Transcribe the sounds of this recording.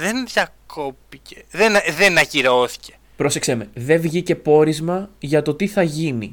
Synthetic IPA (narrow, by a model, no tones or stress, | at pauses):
ðenðjɐkʰopiceðenðenɐciɾoθi̥ce̥ | pɾo̞se̞kseme̞ðe̞vʝice̞po̞ɾizmɐʝɐt̪o̞t̪iθɐʝini